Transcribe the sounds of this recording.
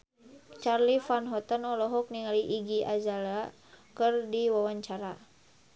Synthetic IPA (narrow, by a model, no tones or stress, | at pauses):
t͡ʃarlifanɦɔt̪ənɔlɔɦɔk̚niŋaliʔːɡiad͡ʒala | kɨrdiwawaɲt͡ʃaɾa